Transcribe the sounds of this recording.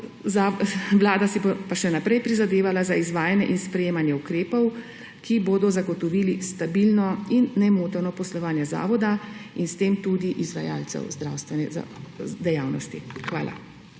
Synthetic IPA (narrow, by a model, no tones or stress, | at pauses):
zaʋlaːd̪asibopaʃɛnapɾɛjpɾizad̪eːʋalazaizʋaːjanjɛ̰ʔinspɾɛjeːmanjɛukɾeːpɔw | kʰiboːd̪ɔzaɡɔt̪ɔʋiːlist̪abilnɔinːɛmoːt̪ɔɾnɔpɔslɔʋaːnjɛza̰ːʋɔd̪ainst̪eːmt̪ud̪iʔizʋaja̰ːlt̪sɛ̰wzd̪ɾa̰ːwst̪ʋɛnɛza̰d̪ɛjaːwnɔ̰st̪ixʋaːlʔa̰